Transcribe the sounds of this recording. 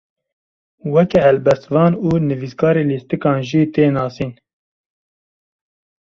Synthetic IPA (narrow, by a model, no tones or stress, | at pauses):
wɛkɛhɛlbɛst̪vɑːnuːnɨviːskɑːɾeːliːst̪ɨkɑːnʒiːt̪eːnɑːsiːn